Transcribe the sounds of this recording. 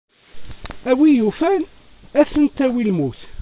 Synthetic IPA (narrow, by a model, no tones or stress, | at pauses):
æwijufæn | æθənt̪æwilmuθ